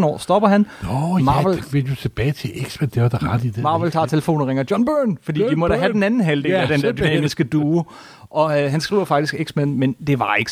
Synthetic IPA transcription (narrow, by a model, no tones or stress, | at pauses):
n̩ɒ̰ːsd̥ɒ̽b̥ɐɦænmɑːʋelʋed̥ut͡sʰe̝b̥ɛːɪt͡sʰe̝ʔeɡ̥smænd̥eʋɐd̥ɑʁɑd̥id̥mɑ̈ːʋelt͡sʰɑ̰̈ːt͡sʰe̝ləfo̝̰ːn̩ʁeŋɐjɒ̽nb̥øːnfɒdḭːʋimɒ̽dæɦæden̩ænn̩ɦæld̥eŋæd̥end̥eɐd̥y̥nɛ̰misɡ̥əd̥uː | ʔɒ̽ɦænsɡ̥ʁḭːʊɐfɑ̈ɡ̥d̥isɡ̥eɡ̥smænmend̥e̝ʋɑ̈e̝ɡ̥